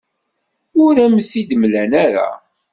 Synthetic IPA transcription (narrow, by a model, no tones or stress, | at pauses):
ʊɾæmθid̪əmlænaɾa̰